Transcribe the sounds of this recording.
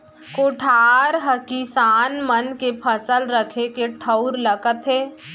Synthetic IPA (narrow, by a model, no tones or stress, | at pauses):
koːʈʰaːɾɦəkisaːnmənkepʰəsəlɾəkʰekeʈʰəʊɾləɡət̪ɦeː